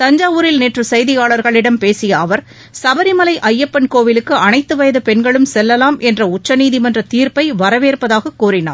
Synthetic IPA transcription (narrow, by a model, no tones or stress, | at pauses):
t̪ɐɲd͡ʒaːuːɾɪlneːʈrɯsɐjðɪjaːɭɐɾɣɐɭɪɽɐmpeːsɪjɐɐʋɐɾ | sɐbɐɾɪmɐlɐɪʔɐjːɐpːɐnkoːʋɪlɯkːɯɐnɐɪt̪ːɯʋɐjɐðɯpɛnɡɐɭɯmsɛlːɐlaːmɛndrɐʊt͡ʃːɐniːðimɐndrɐt̪iːɾpɐɪʋɐɾɐʋeːɾpɐðaːɣɐkːuːrɪna̰ːɾ